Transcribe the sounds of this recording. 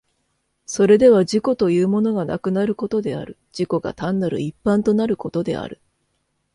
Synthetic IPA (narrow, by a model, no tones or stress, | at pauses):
so̞ɾe̞d̪e̞β̞aʑiko̞t̪o̞jɯːmo̞no̞ɡana̰kɯ̟naɾɯ̟ko̞t̪o̞d̪e̞a̰ɾɯ̟ | d͡ʑ̥iko̞ɡa̰t̪ãnːaɾɯ̟̰ipːãnt̪o̞naɾɯ̟ko̞t̪o̞d̪e̞̰a̰ɾɯ̟̰